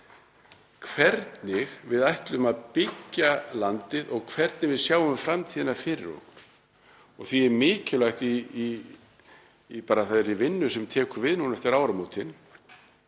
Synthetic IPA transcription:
kʰvɛɾt̪nɪɣvɪðajht̪lʏmaðpɪcːalant̪ɪðɔɣkʰvɛɾt̪̚nɪvɪðsjaːwʏmfɾamt̪ʰiːðɪnafɪɾɪɾɔ̰k | ɔɣθviɛɾmɪːcɪlajxt̪i | paːɾaθaðɾɪvɪnːʏsɛmt̪ʰɛːkʏɾvɪðnunɛft̪ɪɾaːwɾamuːt̪ʰɪn

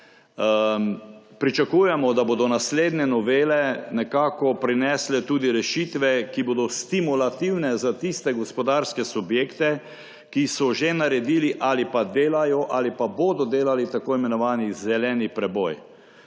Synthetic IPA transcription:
pɾit͡ʃakuːjɛmɔd̪aboːd̪ɔnasleːd̪nɛnɔʋeːlɛnɛkaːkɔpɾinɛslɛt̪uːd̪iɾɛʃit̪ʋɛkiboːd̪ɔst̪imulat̪iwnɛzat̪ist̪ɛɡɔspɔd̪aːɾskɛsubjeːkt̪ɛ | kisɔʒenaɾɛd̪iːliʔalipad̪eːlajɔʔalipaboːd̪ɔd̪eːlalit̪akoimɛnɔʋaːnizɛlɛːnipɾɛbɔj

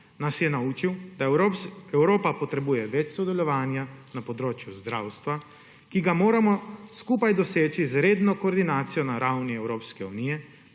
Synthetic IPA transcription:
nasjɛnauːt͡ʃiwd̪aɛwɾoːpapɔt̪ɾɛbuːjɛʋɛt͡ʃsɔd̪ɛlɔʋaːnjanapɔd̪ɾoːt͡ʃjuzd̪ɾawst̪ʋa | kiɡamoːɾamɔskuːpajd̪ɔseːt͡ʃizɾeːd̪nɔkoːɾd̪inaːt̪sijɔnaɾawniɛwɾoːpskɛunijɛ

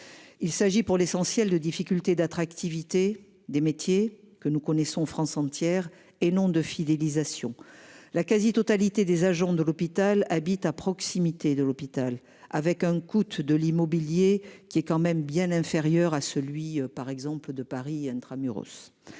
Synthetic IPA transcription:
ilsaʒipuʁlesɑ̃sjɛld̪əd̪ifikʲylt̪ed̪at̪χakt̪ivit̪e | d̪emet̪je | kənukɔnesɔ̃fχɑ̃sɑ̃t̪jɛʁ | enɔ̃d̪əfid̪elizasjɔ̰̃lakazit̪ɔt̪alit̪ed̪ezaʒɑ̃d̪əlɔpit̪alabit̪apχɔksimit̪ed̪əlɔpit̪al | a̰vɛkɛ̃kut̪d̪əlimɔbiljekʲiɛkɑ̃mɛmbjɛ̃nɛ̃feʁjœʁasəlɥiøpaʁɛɡzɑ̃pləd̪əpaʁiɛ̃t̪χamyʁo̰s

